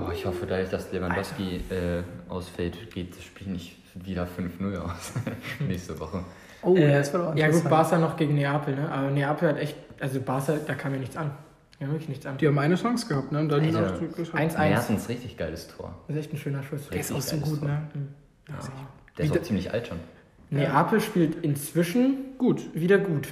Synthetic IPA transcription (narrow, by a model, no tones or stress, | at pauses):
ʔɔːɪçhɔfədaːdʊɐçd̥aslevanndɔfskiʔɛːʔa̰ʊsfɛltɡ̥eːt̚ʃpiːlnɪç | viːdaːfʏnfnʊla̰ʊsnɛːçstəvɔ̰χə | oːsfajaːɡuːt̚b̥aːsanɔχɡ̥eːɡŋ̩neaːpʰl̩nəʔaːbɐneaːpl̩hatʔɛçtʔalzobaːsad̥aːkʰaːmjaːnɪçt͡san | haːmvɪɐkləçnɪçt͡sʔand̥ihaːbmʔaɪnəsɔŋsɡ̥əhap̚tnəʊntd̥anʔaɪnsʔaɪhatn̩sʁɪçtɪçɡ̥aɪləstʰo̰ːɐɪsʔɛçtn̩ʃøːnɐʃʊsd̥eːɐɪsaʊz̥oːɡuːtnə̰ | d̥eːɐɪisdt͡siːmlɪçʔa̰ltʃon | neʔaːpl̩ʃpiːltɪnt͡sv̥ɪʃn̩ɡ̥uːtviːdɐɡuːt